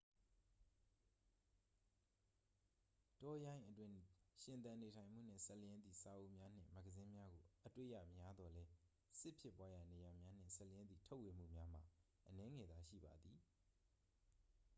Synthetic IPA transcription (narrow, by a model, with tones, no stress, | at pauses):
tɔ˦jã˦ɪ̃ʔətwɪ̃˦ʃɪ̃˨nt̪ã˨ne˨tʰã˨ɪ̃m̥ṵ˦˨n̥ɪ̰̃˦˨sɛ˦ʔljɪ̃˦nd̪ði˨sa˨ʔo˦˨ʔmja˦n̥ɪ̰̃˦˨mɛ˦ɡəzɪ̃˦mja˦ɡo˨ʔətwḛ˦˨ja̰˦˨mja˦d̪ɔ˨lɛ˦ | sɪ˦pʰjɪ˦˨pwa˦ja˦˨ne˨ja˨mja˦n̥ɪ̰̃˦˨sɛ˦ʔljɪ̃˦nd̪ðḭ˦˨tʰo˦ʊʔwe˨m̥ṵ˦˨mja˦m̥a̰˨ | ʔənɛ˦ŋɛ˨d̪a˨ʃḭ˦˨ba˨d̪ði˨